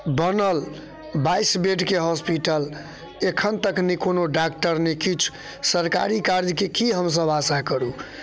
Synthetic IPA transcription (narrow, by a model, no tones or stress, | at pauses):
bənəl | baisbeɖkeɦɔspiʈəl | ekʰənt̪əknikonoɖakʈəɾnekit͡ʃʰ | səɾka̰ɾikaɾd͡ʒkekiɦəms̬əbasakəɾu